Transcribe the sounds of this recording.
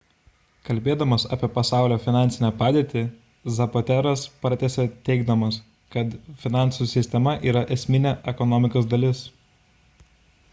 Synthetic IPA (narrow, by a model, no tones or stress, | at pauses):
kɐlʲbʲeːd̪ɐmɐsɑ̰ːpʲiɛpɐsɑˑʊlʲoːfʲɪnɑˑnʲtsʲɪnʲɛpɑːd̪ʲeːt̪ʲɪ | zɐpot̪ʲæɾɐspɐɾt̪ʲɛsʲɛt̪ʲɛɪɡd̪ɐmɐs | kɐt̪fʲɪnɑˑnˑsusʲɪsʲt̪ʲɛmɐʔiːɾɐʔɛsʲmʲɪnʲɛʔɛkɔnɔmʲɪkoːsd̪ɐlʲɪs